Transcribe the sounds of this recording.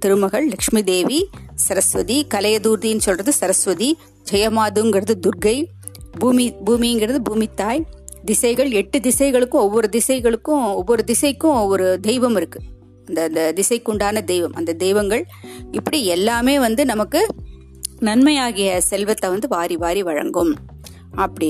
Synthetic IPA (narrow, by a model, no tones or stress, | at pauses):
t̪ɪɾɯmɐɣɐɭlɐkʂmid̪eːʋisɐɾɐsʋɐðikɐlɐjɐd̪uːɾðinːɯsɔlrɐðɯsɐɾɐsʋɐði | d͡ʒɐjɐmaːðɯŋɡɪɾɐðɯd̪ʊɾɡɐɪ | buːmibuːminɡɪɾɐðɯbuːmɪt̪ːaːjd̪ɪsɐɪɣɐɭɛʈːɯd̪ɪsɐɪɣɐɭɯkːʊ̃ɔʋːɔɾɯd̪ɪsɐɪɣɐɭɯkːʊ̃ɔʋːɔɾɯd̪ɪsɐɪkːʊ̃ɔʋːɔɾɯd̪ɛɪʋɐmɪɾɯkːɯ̥ | ɐnd̪ɐnd̪ɐd̪ɪsɐɪkːʊɳɖaːnɐd̪ɛɪʋɐmʔɐ̰nd̪ɐd̪ɛɪʋɐŋɡɐɭ | ɪpːɐɽiɛlːaːmeːʋɐnd̪ɯnɐmɐkːɯ | nɐnmɐjaːɣɪjɐsɛlʋɐt̪ːɐʋɐnd̪ɯʋaːɾiʋaːɾiʋɐɻɐ̰ŋɡɯm | ɐpːɐɽɪ